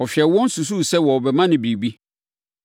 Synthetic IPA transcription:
ɔ˨fi˨ɛ˨˦wɔ̃˦n̩˦su˨s̬u˦˨sɛ˦wɔ˨ɔ˨bɛ˨mã˦nɪ̃˨bɾi˨bi˦

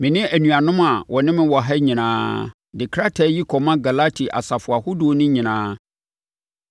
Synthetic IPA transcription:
mɪ̃˨nɪ̃˦ʔæ˨nũ˨a˨nʊ̃˦ma˨wʔɔ˨nɪ̃˦mɪ̃˦wɔ˨ɦɛ˦ɲĩ˨nãː˦ | dɪ˨kʰɾa˦tʰɛ˦ji˦kʰɔ˨mã˦ɡa˨la˦tʰi˨ʔa̰˨sa˨fʊ˨a˨hu˦du˨˦nʊ̃˦ɲĩ˨nãː˦

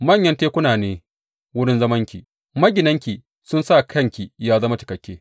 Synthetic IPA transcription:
mɐ˦˨ɲjɐ˦nteː˦kʷʊ˦naː˨neː˦ | wʊ˦ɽɪ˦nzɐ˦mɐ˦ŋkʲi˨ | mɐ˦ɡʲɪ˨nɐ˦ŋkʲi˨ | sʊ˦nsaː˦˨kʰɐ˦˨ŋkʲi˨jaː˦zɐ˦ma˦t͡ʃɪ˨kɐ˨kʲːeː˦

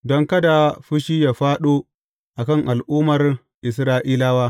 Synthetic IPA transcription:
dɔ˦ŋkɐ˦da˨ɸʊ˦ʃiː˦jaː˨ɸaː˦ɗoː˦ | ʔa˨kɐ˦˨ŋʔa˨lʔuː˦mɐ˨r | ʔɪ˨s̬ɾaː˦ʔiː˦laː˦waː˦

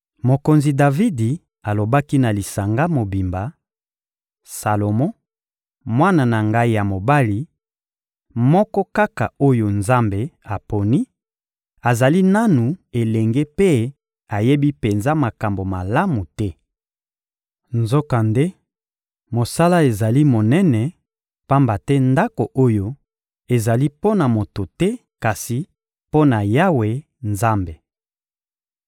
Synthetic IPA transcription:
mo˨ko˨nzi˨da˨vi˦di˨ | a˨lo˨ba˦ki˦na˨li˨sa˨ŋɡa˦mo˨bi˨mba˨ | sa˨lo˨mɔ̃˦ | mwa˦na˨na˨ŋɡa˦i˦ja˨mo˨ba˦li˨ | mɔ˦kɔ˦ka˦ka̰˨o˦jo˨nza˦mbe˨a˨po˨ni˦ | a˨za˨li˦na˦nu˨e˨lɛ˨ŋɡe˦pe˦ | a˨je˦bi˦pe˨nza˦ma˨ka˨mbo˨ma˨la˦mu˨tɛ˦ | nzo˦ka˨nde˦ | mo˨sa˦la˦e˨za˨li˦mo˨nɛ˦nɛ˨ | pa˦mba˨tɛ˦nda˦ko˨ʔo˦jo˦ | e˨za˨li˦po˦na˨mo˨to˨tɛ˦ | ka˨si˨ | po˦na˨ja˦we˨ | nza˦mbe˨

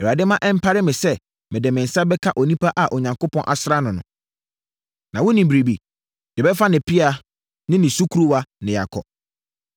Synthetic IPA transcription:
ɛ˨a˨dɪ˦mã˦ʔɛ˦m̩˦pʰa˦ɾɪ˦mɪ̃˨sɛ˦ | mɪ̃˨dɪ˨mɪ̃˨n̩˨sa˦bɛ˦kʰa˦ʔɔ˨nĩ˦pʰa˦ʔa˨ʔɔ˨ɲã˨ŋkʊ˦pʰɔ̃˦nʔa̰˨sɾa˦nʊ̃˨nʊ̃˨ | nã˨wʊ̃˦nĩ˨bɾi˨bi˨ | d̥ɪ˨bɛ˦fa˦nɪ̃˨pʰi˦a˦ | nɪ̃˦nɪ̃˨su˦kʰu˦ɾu˦wa˦nɪ̃˨ja̰˨kʰɔ̰˨

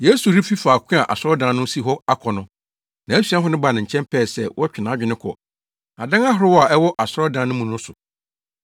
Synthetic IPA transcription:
je˦su˨ɾi˦fi˦faː˨kʷʰɪ̃˦a˨ʔa̰˨sɾɔ˦dã˨˦nʊ̃˦si˦ɦɔ˦a˦kʰɔ˨nʊ̃˦ | nã˨æ˦sɥã˦ɦʊ˦nɪ̃˦ba˨nɪ̃˨ɲ̩˨t͡ɕʰɛ̃˦mpʰɛː˦˨sɛ˦wɔ˦t͡ɕᶣɪ˨nãː˨˦d͡ʑᶣɪ˨nɪ̃˦kʰɔ̰˨ | a˨dã˦ŋa˦ɦʊ˨ɾɪ˦wɔ˦a˨ʔɛ˦wɔ˦ʔa˨sɾɔ˦dã˨˦nʊ̃˦mũ˨nʊ̃˦sʊ˨

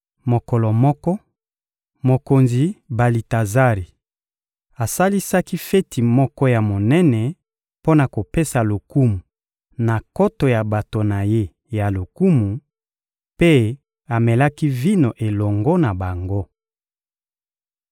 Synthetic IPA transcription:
mo˨kɔ˨lɔ˨mɔ˦kɔ˦ | mo˨ko˨nzi˨ba˨li˨ta˨za˦ʁi˨ | a˨sa˦li˦sa˦ki˦fɛ˦tʰi˨mɔ˦kɔ˦ja˨mo˨nɛ˦nɛ˨ | po˦na˨ko˨pe˦sa˨lo˨ku˦mu˨ | na˨ko˦to˨ja˨ba˨to˨na˨je˦ | ja˨lo˨ku˦mu˨ | pe˦ | a˨mɛ˨la˦ki˦vi˦no˨ʔe˨lɔ˨ŋɡo˦na˨ba˨ŋɡo˦

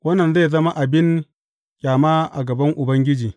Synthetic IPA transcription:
wɐ˦nːɐ˨nze˦˨zɐ˦ma˦ʔa˨bɪ˦n | kʲʼaː˨maː˦ʔa̰˨ɡɐ˨bɐ˦ŋʔʊ˨bɐ˦ŋɡʲɪ˦d͡ʒiː˨

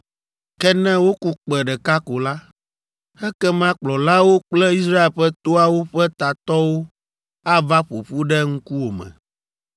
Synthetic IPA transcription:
kɛ˦nɛ̃˦wo˦ku˦k͡pɛ˨ɖɛ˨ka˦ko˨la˦ | ɛ˦kɛ˦mã˦k͡plɔ˨la˦wo˦k͡plɛ˦i˦s̬ɾa˦e˨lɸɛ˦t̪o˦a˨wo˦ɸɛ˦t̪a˨t̪ɔ˦wo˦ | a˦va˦ɸo̰˨ɸu˦ɖɛ˦ŋ̩˦ku˦wo˨mɛ̰̃˨

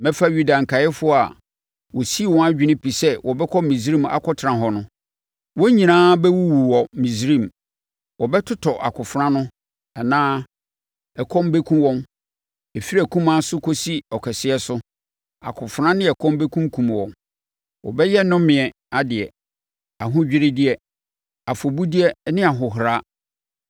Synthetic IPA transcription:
mɛ̃˦fa˦ɥu˨da˨ŋ̩˨kʰa˨jɛ˦fʊ˦ɔ˦a̰˨ | wɔ˨si˦wɔ̃˦a˦d͡ʑᶣɪ˨nɪ̃˦pʰi˨sɛ˦wɔ˨bɛ˦kʰɔ˦mĩ˨zɾĩ˦˨ma̰˨kʰɔ˦tʰɾã˨ɦɔ˨nʊ̃˦ | wɔ̃˦ɲĩ˨nãː˦bɛ˦wu˦wu˨wɔ˨mĩ˨sɾĩ˦˨m | wɔ˨bɛ˦tʰʊ˦tʰɔ˨ʔa̰˨kʰʊ˨fɾã˦nʊ̃˦ | ɛ˨nãː˦ | ɛ˨kʰɔ̃˦mbe˦kʰũ˦wɔ̃˦m | e˨fi˦ɾæ˨kʰũ˦mã˦sʊ˦kʰo˦si˦ɔ˨kʰɛ˨sɪ˦ɛ˦sʊ˦ | a̰˨kʰʊ˨fɾã˦nɪ̃˦ɛ˨kʰɔ̃˦mbe˦kʰũ˦kʰũ˨m˨wɔ̰̃˨n | wɔ̰˨bɛ˦jɛ˦nʊ̃˦mɪ̃˨ɛ˨ | a˨dɪ˨ɛ˨ | a˨ɦʊ̃˦d͡ʑᶣɪ˦ɾɪ˦dɪ˦ɛ˨ | a˨fo˨bu˦di˦ɛ˦nɪ̃˦a˨ɦʊ˨ɦɾa˦

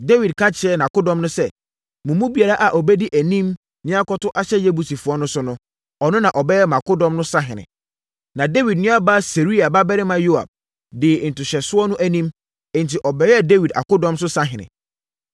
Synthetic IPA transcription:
de˦wi˨d̚kʰã˦t͡ɕʰɪ˨ɛ˦nã˨kʊ˦dɔ̃˨mnʊ̃˦sɛ˦ | mʊ̃˨mũ˦bi˨a˨ɾa˦ʔa˨ʔɔ˨bɛ˦di˦ʔæ˨nĩ˦m | nɪ̃˦a˦kɔ˦tʊ˦ʔa˦ɕɛ˦je˦bu˨si˨fʊ˨ɔ˦nʊ̃˦sʊ˦nʊ̃˦ | ɔ˨nʊ̃˦nã˨ʔɔ˨bɛ˦jɛ˦mã˨kʊ˦dɔ̃˦mnʊ̃˦sã˦ɦɪ̃˨nɪ̰̃˨ | nã˨de˦wi˨d̚nʊ̃˦a˦ba˦se˨ɾi˦a˨ba˦bɛ˦ɾɪ˦mã˨jo˦a̰˨b̥̚ | dɪ˨n̩˨tʊ˨ɕɛ˨sʊ˦ɔ˦nʊ̃˦ʔæ˦nĩ˦m | ɛ̃˦n˨tʰɪ˨ʔɔ˨bɛ˦jɛ˦de˦wi˨da̰˨kʊ˦dɔ̃˦msʊ˦sã˦ɦɪ̃˨nɪ̰̃˨

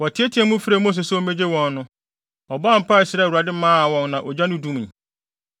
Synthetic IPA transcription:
wɔ˨tʰɪ˨˦e˦tʰi˨˦ɛ̃˦mʊ̃˦fɾe˨˦mõ˦s̬e˨sɛ˦o˦mẽ˦d͡ʑe˦wɔ̃˨nːʊ̃˦ | ɔ˨ba˦m̩˨pʰa˦ɪ˨sɪ˨ɾɛ˦˨u˨ɾa˨dɪ˦mãː˦a˨wɔ̃˦nnã˨ʔɔ˨d͡ʑa˦nʊ̃˦dũ˦m̃˨

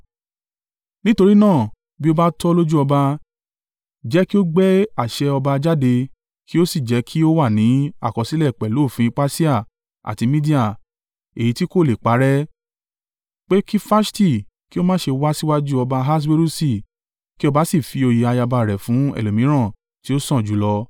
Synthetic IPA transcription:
nĩ˦to˧ɾi˦nãː˦˨ | bi˦o˦ba˦tɔ˦˧lo˦d͡ʒu˦ɔ˧ba˧ | d͡ʒɛ˨˦ki˦o˦ɡ͡bɛ˦a˦˨ʃɛ˧ɔ˧ba˧d͡ʒa˦de˧ | ki˦o˦si˦˨d͡ʒɛ˨˦kʰi˦o˦wa˦˨nĩ˨˦a̰˦˨kɔ˨si˦lɛ˦˨k͡pɛ˨lo˨˦˨fĩ˧˦k͡pa˦si˦a˦˨ | a̰˨ti˨˧mĩ˦di˦a˦˨ | e˨ji˨˦ti˦ko˦˨le˨k͡pa˨˦ɾɛ˦ | k͡pe˦ki˦fa˦sti˦˨ | ki˦o˦mãː˦ʃe˧wa˦si˦wa˦d͡ʒu˦ɔ˧ba˧ɦa˦s̬we˦ɾu˦si˦˨ | ki˦ɔ˦ba˨˦si˦˨fi˧o˧ji˧a˧ja˧ba˧˨ɾɛ˨fũ˨˦ɛ̰˨lo˨mĩ˨˦ɾ̃ã˦˨ | ti˨˦o˦sɔ̃˦˨d͡ʒu˨˦lɔ˧

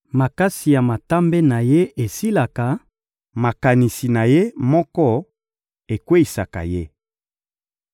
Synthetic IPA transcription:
ma˨ka˦si˨ja˨ma˨ta˦mbe˦na˨je˦ʔe˨si˦la˨ka˨ | ma˨ka˨ni˨si˨na˨je˦mɔ˦kɔ˦ | e˨kwe˦i˨sa˨ka̰˨je˦

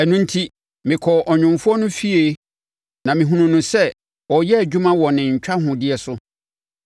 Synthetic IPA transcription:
ɛ˨nʊ̃˦n̩˦tʰi˦ | mɪ̃˨kʰɔ˨ʔɔ˨ɲᶣʊ̃˨mfʊ˦ɔ˦nʊ̃˦fi˦e˨ | nã˨mɪ̃˨ɦũ˨nũ˨nʊ̃˨sɛ˦ | ɔ˨jɛ˦æ˨d͡ʑᶣu˦mã˦wɔ˨nɪ̃˨ɲ̩˨t͡ɕᶣa˦ɦʊ̃˨dɪ˦ɛ˨sʊ˦

